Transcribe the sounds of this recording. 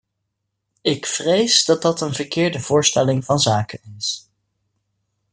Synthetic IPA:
ɪkfrejzdɑt̚dɑtənvəɹkɪːɹdəv̥ʊːɹstɛlɪŋvɑnzaːkənɪs

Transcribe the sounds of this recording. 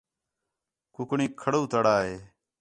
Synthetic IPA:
kʊkɳiːkʰəɽuːt̪əɽaːɦeː

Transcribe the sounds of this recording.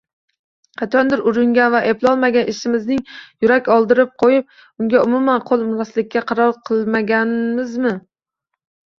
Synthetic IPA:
qʰɑt͡ʃʰɒnd̪ɪɾʊɾɪŋɡʲanvaʔeplˠɒlˠmaɡʲanʔɪʃɪmɪznɪŋjʊɾakʲɒlˠd̪ɪɾɪp̚qʰojɪp̚ | ʊŋɡʲaʊmʊmanqʰolˠmʊnaslɪkʲʰːaqʰɑɾɒlˠqʰɨlˠmaɡʲanmɪzmɪ

